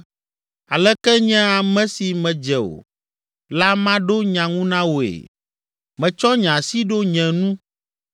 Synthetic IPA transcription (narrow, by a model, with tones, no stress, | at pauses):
a˨lɛ˦kɛ˦ɲɛ̃˦a˨mɛ̃˦si˨mɛ̃˨d͡ʒɛ˨o̰˨ | la˦mã˦ɖo˦ɲã˨ŋũ˦nã˦wo˨ḛ˨ | mɛ̃˨t͡ʃɔ˦ɲã˨si˦ɖo˦ɲɛ̃˨nũ˦